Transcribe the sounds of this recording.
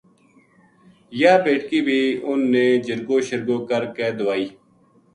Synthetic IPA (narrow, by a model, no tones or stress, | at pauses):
jaːpeːʈkiːbʱiːʊnːeːd͡ʒəɾɡoːʃəɾɡõːkəɾkeːd̪ʊʋaːiː